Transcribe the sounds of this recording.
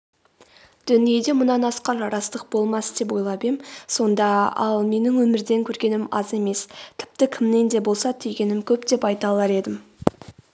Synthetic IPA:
d̪̥ʏnije̞d̪e̞mʊnɑnɑsqɑɾɑɾɑst̪əq̚bo̞lˠmɑsd̪̥e̞p̬wo̞jlˠɑbemso̞nd̪ɑɑ̰lˠme̞nɪŋwɵmɪɾd̪e̞ŋkʲʰɵɾɡʲe̞nɪmɑ̰ze̞me̞st̪ʰɪ̥p̚t̪ɪkʲʰɪmne̞nd̪e̞bo̞lˠsɑt̪ʰejɡʲe̞nɪmkʲʰɵpd̪e̞pɑjt̪ɑlˠɑɾe̞d̪ɪm

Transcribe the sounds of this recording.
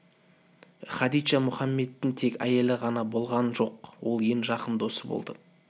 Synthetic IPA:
χɑd̪ij̪ʃɑmʊχɑmːe̞t̪ːɪŋt̪ʰe̞kʲæ̰je̞lɪʁɑnɑbo̞lˠʁɑnʒo̞q̚wo̞lˠjenʒɑqəmd̪o̞səbo̰lˠd̪ə

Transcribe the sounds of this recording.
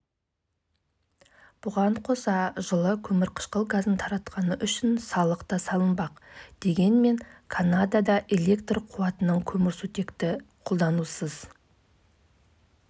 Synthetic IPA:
b̥ʊʁɑɴqʰo̞sɑʒəlˠəkʲʰɵmɪɾqʰə̥ʃqəlˠɡazənt̪ʰɑɾɑt̪qɑnəʔʏʃɪnsɑlˠəqt̪ɑsɑlˠənbɑqd̪̥e̞ɡʲe̞nme̞ŋkʰanad̪ad̪ɑʔe̞le̞kt̪rqʰuwɑt̪ənəɴkʲʰɵmɪɾsut̪e̞kt̪ɪqʰo̞lˠd̪ɑnusəz̥

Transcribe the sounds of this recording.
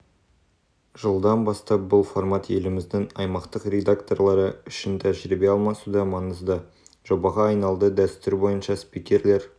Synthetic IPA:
ʒəlˠd̪ɑnbɑst̪ɑp̚bʊlˠformat̪je̞lɪmɪzd̪ɪŋɑjmɑqt̪əqrʲe̞d̪akt̪o̞rlˠɑɾəʏʃɪnt̪ʰæʒɪɾɪbeɑlˠmɑsud̪ɑmɑnəzd̪ə | ʒ̥o̞bɑʁɑːjnɑlˠd̪əd̪æst̪ʏɾbo̞jənʃɑspijkʲe̞ɾle̞ɾ

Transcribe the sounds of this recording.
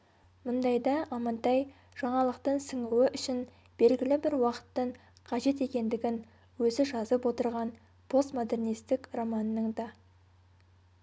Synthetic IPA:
mʊnd̪ɑjd̪ɑɑmɑnt̪ɑj | ʒ̥ɑɴɑlˠəqt̪əɴsɪŋuwɪʔʏʃɪn | b̥e̞lɡʲɪlɪbɪɾwɑqə̥t̪ːəɴ | qʰɑʒe̞t̪e̞kʲe̞nd̪ɪɡʲɪn | wɵzɪʒɑzəpwo̞t̪əɾʁɑn | pʰo̞st̪mo̞d̪e̞rnijst̪ɪkromɑnəːəɴd̪ɑ

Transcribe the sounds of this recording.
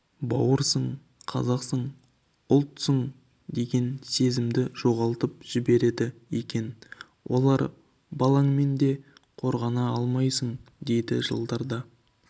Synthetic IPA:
bɑ̰wəɾsəɴ | qʰɑ̰zɑqsəɴ | ʊlˠt̪səɴ | d̪e̞ɡʲe̞nse̞zɪmd̪ɪʒ̥o̞ʁɑlˠt̪əpʒ̥ɪbe̞ɾe̞d̪ɪekʲe̞n | wʔo̞̰lˠɑɾ | bɑlˠɑɴme̞nd̪e̞qʰo̞ɾʁɑnɑɑlˠmɑjsəɴd̪e̞jd̪ɪ̰ʒə̰lˠd̪ɑɾd̪ɑ

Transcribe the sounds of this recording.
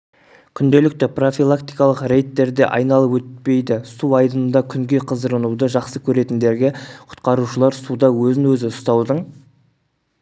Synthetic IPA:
kʲʰʏnd̪e̞lɪk̚t̪ɪpro̞fʲilˠakt̪ijkɑlˠəqre̞jt̪ːe̞ɾd̪e̞̰ʔɑ̰jnɑlˠəpwɵt̪̚pe̞jd̪ɪsuɑjd̪ənənd̪ɑkʲʰʏŋɡʲe̞qʰəzd̪əɾənud̪əʒɑqsəkʲʰɵɾe̞t̪ɪnd̪e̞ɾɡʲeqʰʊ̥t̪qɑɾuʃəlˠɑɾsud̪ɑwɵzɪŋwɵzɪʊst̪ɑwd̪əɴ

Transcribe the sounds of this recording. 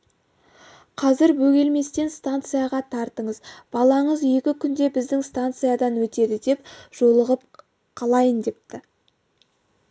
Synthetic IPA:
qʰɑzɪɾbɵɡʲe̞lme̞st̪e̞nst̪ant̪sɨjaʁɑt̪ʰɑɾt̪əɴəzb̥ɑlˠɑɴəzjekʲɪkʲʰʏnd̪e̞bɪzd̪ɪŋst̪ant̪sɨjad̪ɑnwɵt̪e̞d̪ɪd̪e̞pʒ̥o̞lˠəʁəp̚ | qʰɑlˠɑjənd̪e̞p̚t̪ɪ

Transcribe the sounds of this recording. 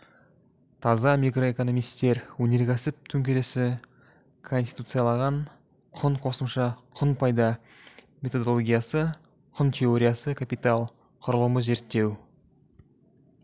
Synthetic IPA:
t̪ʰɑzɑmijkro̞eko̞no̞mijst̪e̞ɾwɵne̞ɾɡʲæsɪp̚t̪ʰɵŋkʲe̞ɾe̞sɪ | kʰo̞nst̪i̥jt̪ut̪sɨjalˠɑʁɑɴ | qʰʊɴqʰo̞səmʃɑqʰʊnpʰɑjd̪ɑ | mʲe̞t̪o̞d̪o̞lˠoɡʲijasə | qʰʊnt̪ʰʲe̞o̞ɾʲijasəkʰapijt̪alˠ | qʰʊɾəlˠəməze̞ɾt̪ːe̞w

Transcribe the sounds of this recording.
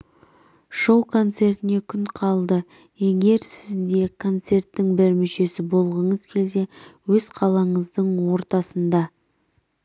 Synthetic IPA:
ʃo̞wkʰo̞nt̪se̞rt̪ɪne̞kʲʰʏɴqʰɑlˠd̪ə | je̞ɡʲe̞ɾsɪzd̪e̞kʰo̞nt̪se̞rt̪ːɪŋbɪɾmʏʃe̞sɪbo̞lˠʁəɴəzkʲʰe̞lse̞wɵzqʰɑlˠɑɴəzd̪əɴwo̞ɾt̪ɑsənd̪ɑ

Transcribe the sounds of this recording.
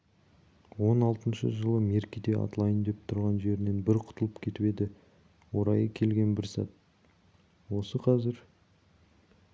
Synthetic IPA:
wo̞nɑlˠt̪ənʃə̰ʒəlˠəme̞ɾkʲid̪ea̰t̪lˠɑjənd̪e̞p̚t̪ʰʊɾʁɑnʒe̞ɾɪne̞nbɪɾqʰʊ̥t̪əlˠəpkʲʰe̞t̪ɪpe̞d̪ɪ | wo̞ɾɑjəkʲʰe̞lɡʲe̞nbɪɾsɑ̰t̪̚ | wo̞səqʰɑzɪɾ

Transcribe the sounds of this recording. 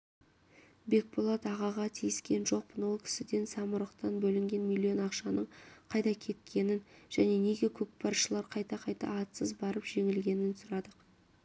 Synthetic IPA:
be̞k̚bolˠɑt̪ɑʁɑʁɑt̪ʰijɪskʲe̞nʒo̞q̚pənwolˠkʲʰɪ̥sɪd̪e̞nsɑmʊɾəqt̪ɑnbɵlɪŋɡʲe̞nmʲilʲːio̞nɑqʃɑnəɴqʰɑjt̪ɑkʲʰe̞t̪̚kʲʰe̞nɪnʒ̥æne̞ne̞ɡʲe̞kʲʰɵk̚pʰɑɾʃəlˠɑɾqʰɑjt̪ɑqʰɑjt̪ɑ̰ːt̪səzbɑɾəpʒ̥e̞ŋɪlɡʲe̞nɪnsʊɾɑd̪əq

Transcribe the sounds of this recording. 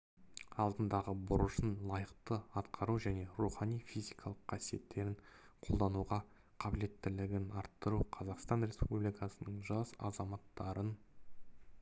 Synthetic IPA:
ɑlˠd̪ənd̪ɑʁəbʊɾəʃənlˠɑjəq̚t̪əɑt̪qʰɑɾuʒæne̞ɾuχɑnijfijzijkʰɑlˠəqːʰɑsije̞t̪ːe̞ɾɪɴqʰo̞lˠd̪ɑnuʁɑ | qʰɑbɪle̞t̪ːɪlɪɡʲɪnɑɾt̪ːəɾuqʰɑzɑqst̪ɑnɾe̞spublijkɑsənəɴʒɑsɑ̰zɑmɑt̪ːɑɾən

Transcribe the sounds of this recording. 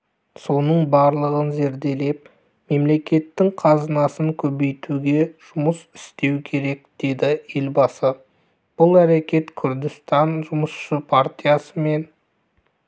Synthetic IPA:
so̞nəɴbɑɾlˠəʁənze̞ɾd̪e̞le̞p̚ | me̞mle̞kʲe̞t̪ːɪŋqʰɑzənɑsəŋkʲʰɵbe̞jt̪uɡʲe̞ʒ̥ʊməsɪ̥st̪e̞wkʲʰe̞ɾe̞k̚d̪̥e̞d̪ɪe̞lbɑsə | b̥ʊlˠæɾe̞kʲe̞t̪kʲʰʏɾd̪ɪst̪ɑnʒʊməsʃəpʰart̪ʲijasəme̞n

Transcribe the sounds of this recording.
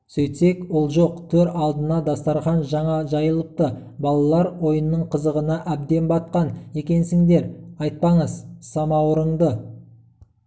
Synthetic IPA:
sɵjt̪se̞kwʊlˠʒo̞qt̪ʰɵɾɑlˠd̪ənɑd̪ɑst̪ɑɾχɑnʒɑɴɑʒɑjəlˠəp̚t̪əbɑlˠɑlˠɑɾwo̞jənːəɴqʰəzəʁənɑʔæb̚d̪e̞nbɑt̪̚qɑne̞kʲe̞nsɪŋd̪e̞ɾɑjt̪̚pɑɴəzsɑmɑwəɾəɴd̪ə

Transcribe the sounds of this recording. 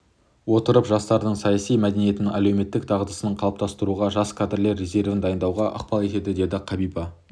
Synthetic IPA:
wo̞t̪əɾəpʒɑst̪ɑɾd̪əɴsɑjɑsijmæd̪e̞nije̞t̪ɪnɪŋælewme̞t̪ːɪkt̪ʰɑʁəd̪əsənəɴqʰɑlˠp̚t̪ɑst̪əɾuʁɑʒɑskʲʰad̪rle̞ɾːe̞ze̞ɾvɪnd̪ɑjənd̪ɑwʁɑʔə̰qpɑlˠe̞t̪e̞d̪ɪd̪e̞d̪ɪqʰɑbijbɑ

